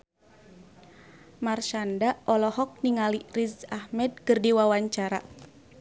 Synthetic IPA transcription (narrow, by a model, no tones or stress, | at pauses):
marʃandaʔɔlɔhɔk̚niŋalirizahmɛd̚kɨrdiwawaɲt͡ʃaɾa